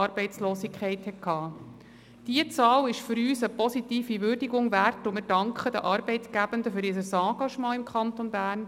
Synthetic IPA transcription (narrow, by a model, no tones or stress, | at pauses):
ɑɾb̥ɛɪt͡slɔːsikχɛɪthɛtkʰɑː | d̥iət͡sɑːlɪʃfʏɾyːsəpɔsit̪iːfiʋʏɾdiɡʊŋʋærtʊmɪɾdɑŋkχəd̪ə̰ʔɑːɾbɛɪt̪ɡ̥æb̥ənd̪əfyɾɪsəsɑ̃ːɡ̥ɑʃmɑ̃ːɪmkʰχɑnt̪onbæːrn